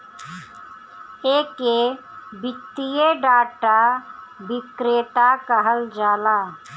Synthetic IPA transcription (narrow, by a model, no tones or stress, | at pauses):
eːke | bɪt̪ːijeɖaːʈabɪkɾeːʈakəɦəld͡ʒaːlaː